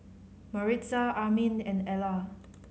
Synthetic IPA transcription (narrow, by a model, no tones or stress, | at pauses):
maɹisaamĩnɛ̃nɛla